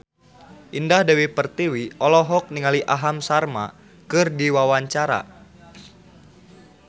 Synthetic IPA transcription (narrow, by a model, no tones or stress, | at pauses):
ʔindahdawipərt̪iwiɔlɔɦɔk̚niŋaliʔaɦamsarma̰ | kɨrdiwawaɲt͡ʃaɾa̰